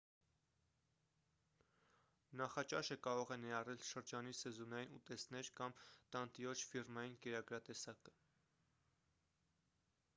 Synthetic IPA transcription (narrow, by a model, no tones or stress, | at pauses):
nɑχɑt͡ʃɑʃəkɑɾɔʁɛnɛɑrɛlʃəɾd͡ʒɑnisɛzɔnɑjinut̪ɛsnɛɾkɑmt̪ɑnt̪iɾɔt͡ʃʰfirmɑjinkɛɾɑɡɾɑt̪ɛsɑkə̥